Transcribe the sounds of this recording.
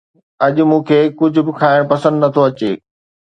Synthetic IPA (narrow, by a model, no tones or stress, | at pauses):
ɐʄʊ̆mũːkʰeːkʊd͡ʑʱʊ̆bɪkʰaːɪɽ̃pɐsə̃nd̪nɐt̪ʰoɐt͡ɕeː